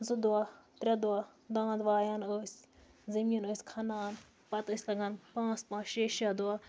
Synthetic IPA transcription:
zud̪aːt̪ɾʲɐd̪uaːd̪ãːd̪ʋaːjanoːsʲ | zɐmiinoːsʲkʰɐnaːn | pɐt̪ɨsʲlɐɡɐnpãːspãːʃeːʃad̪uaː

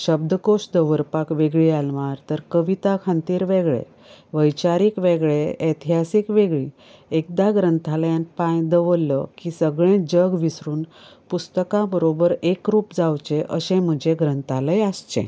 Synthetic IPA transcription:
ɕəb̚d̪əkoɕd̪əʋəɾpakʋeɡɭialʋaɾt̪əɾkəʋit̪akʰant̪iːɾʋeɡɭḛ | ʋəjt͡ɕaɾiːkʋeɡɭeet̪ʰiɦasikʋeɡɭiː | ek̚d̪aɡɾənt̪ʰaljanpãjd̪əʋəlːəkisəɡɭẽd͡ʑəɡʋisɾuːnpust̪əkãbəɾobəɾekɾuːpd͡zawt͡ɕeʔəɕẽm̤əd͡ʑeɡɾənt̪ʰaləjast͡ɕḛ̃

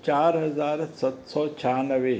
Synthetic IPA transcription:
t͡ʃaːɾɦɐzaːɾsɐt̪sɔːt͡ʃʰaːnəʋeː

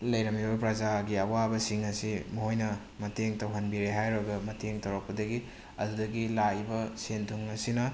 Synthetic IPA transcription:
lɐjɾɐmibɐpɾɐzaɡiɐwabɐsiŋɐsimoɦojnɐ | mɐtʰeŋtɐwɦɐnbiɾeɦajɾoɡɐmɐtʰeŋtɐwɾak̚pɐdɐɡi | ɐ̰dudɐɡilaibɐsentʰuŋɐsinɐ

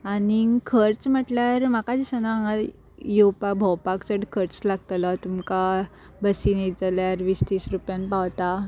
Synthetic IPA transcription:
anikʰəɾt͡sm̤əʈljaɾmakad͡ʑisəna | jewpakbʱəwpakt͡səɽkʰəɾt͡slaɡ̚t̪lat̪umka | bəsinid͡zaljaɾʋist̪iːsɾupjãnpawt̪a

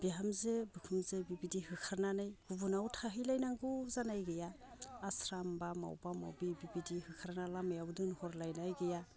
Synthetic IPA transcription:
b̥iɦamzebɯkʰɯmzebibidihɯkʰaɾnanajɡ̥ubunawtʰaɦɯjlajnaŋɡuzanajɡejaː | sɾambama̰wbama̰wbibibidihɯkʰaɾnalamejawdɯnhɔɾlajnajɡɯja

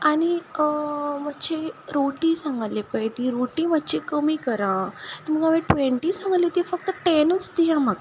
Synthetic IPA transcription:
añi | mat̪ːt͡ɕeɾoʈiːsãŋɡalːepəjt̪iɾoʈiːmat̪ːt͡ɕikəmiːkəɾãt̪əm̤əɡaʋẽʈʋeɳʈisãŋɡalet̪ifək̚t̪əʈenut͡sd̪iɦãmaɡ

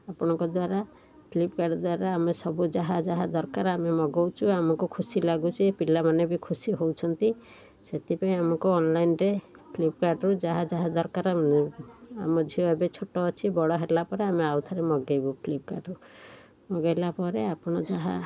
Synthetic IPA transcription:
apɔɽ̃ɔŋkɔd̪waɾa | pʰlip̚kaɖɔd̪waɾaːmesɔbud͡ʒaɦad͡ʒaɦad̪ɔɾkaɾamemɔɡɔwt͡ʃʰuamɔkukʰusilaɡut͡ʃʰipilamanebikʰusiɦowt͡ʃʰɔnt̪i | set̪ʰipaĩamɔkuɔnlajnɾepʰlipkaɖɾud͡ʒaɦad͡ʒaɦad̪ɔɾkaɾ | a̰mɔd͡ʒʱioebet͡ʃʰoʈɔːt͡ʃʰibɔɽɔɦelapɔɾeameawt̪ʰɔɾemɔɡejbupʰlip̚ka̰ɖu | mɔɡajlapɔɾeapɔɽ̃ɔd͡ʒaɦa̰

